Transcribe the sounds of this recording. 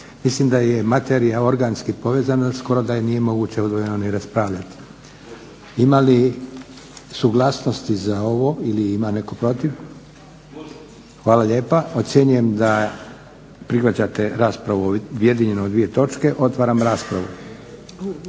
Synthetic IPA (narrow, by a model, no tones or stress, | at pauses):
mislimd̪aje̞mat̪eɾijao̞ɾɡanskipo̞ʋe̞ːzanasko̞ɾo̞d̪aje̞nije̞mo̞ɡuːt͡ɕe̞od̪ʋojenoniɾaspɾaːʋʎat̪i̥ | imali | suɡlˠaːsno̞st̪izao̞ʋo̞iliimane̞ko̞pɾo̞t̪iʋ | xʋaːlaʎe̞ːpao̞t̪sje̞ɲuje̞md̪a | pɾixʋat͡ɕat̪e̞ɾaːspɾaʋuje̞d̪iɲe̞noːd̪ʋije̞t̪o̞t͡ʃke̞ʔo̞t̪ʋaːɾamɾaːspɾaʋu